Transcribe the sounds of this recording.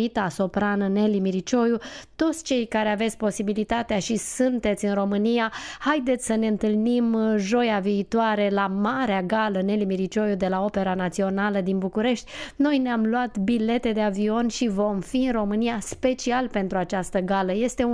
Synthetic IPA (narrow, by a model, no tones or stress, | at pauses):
it̪aso̞pɾanəne̞limiɾit͡ʃo̞jut̪o̞t̪sʲt͡ʃe̞jkaɾeave̞t̪sʲpo̞sibilit̪at̪eaʃisɨnt̪e̞t̪sʲɨnro̞mɨnijahajd̪et̪sʲsəne̞ɨnt̪ɨlnimʒo̞javiːt̪oaɾe̞lamaɾeaɡaləne̞limiɾit͡ʃo̞jud̪e̞lao̞pe̞ɾanat̪sio̞naləd̪inbukuɾe̞ʃt̪ʲno̞jneamluat̪bile̞t̪e̞d̪e̞avio̞nʃivo̞mfiɨnro̞mɨnijaspe̞t͡ʃialpe̞nt̪ɾuat͡ʃast̪əɡaləje̞st̪e̞